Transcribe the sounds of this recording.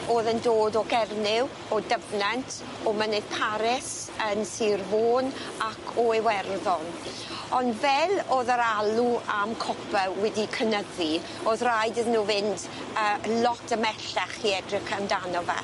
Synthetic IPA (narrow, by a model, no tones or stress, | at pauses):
oːðəndoːdɔɡɛrnɪw | ɔdəvnantʰ | ɔmənɨð̥pʰaɾɪs | ənsiːrvoːn | akʰɔewɛrðɔn | ɔndvɛloːðəɾalˠuamkʰɔpʰɛlwɛdikʰənəði | oːðrajdɪðnuːvɪnd | əːlɔtʰəmɛɬaχiɛdrɪkəmdanɔvɛ̰